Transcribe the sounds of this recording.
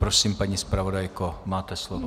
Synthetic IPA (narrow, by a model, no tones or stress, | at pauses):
pɾosiːmpaɲispɾavo̞dajkomaːt̪ɛslovo